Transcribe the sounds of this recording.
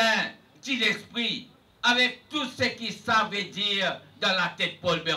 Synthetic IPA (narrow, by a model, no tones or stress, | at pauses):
ɛ̃ | t̪idɛspʁi | avɛk̚t̪usəkisavɛd̪iːʁd̪ɑ̃lat̪ɛt̪̚pɔlbɛ